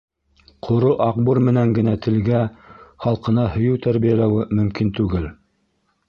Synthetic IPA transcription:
qʰŏɾoʔɑq̚buɾmɘ̆næŋɡɘ̆næt̪ʰɘ̆lɡæχɑlˠqɤ̆nɑhɵ̆jɘwt̪æɾβijælæwɘmɵ̆mkint̪ʉɡɘl

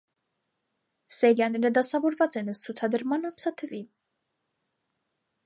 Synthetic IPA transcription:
sɛɾjɑnɛɾəd̪ɑsɑvɔɾvɑt͡sɛnəst͡sʰut͡sʰɑd̪əɾmɑnɑnt͡sʰɑt̪ʰəvi

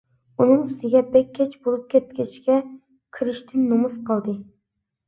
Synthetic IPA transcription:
unɨŋy̥t̪ɪɡʲɛbɛkʲʰːɛt͡ʃbolˠup̚kʲɛt̪̚kʲɛt͡ʃkʲɛ | kʲʰiɾɪʃt̪ʰɪnːumusqəlˠd̪ɨ

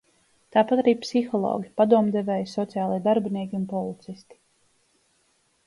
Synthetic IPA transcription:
t̪aːpat̪aɾiːpsixɔlˠɔ̰ːɡʲipad̪uɔmd̪ɛvɛːjsɔt̪sijaːlˠiɛd̪aɾbiniɛkʲiunpɔlˠit̪sist̪i̥

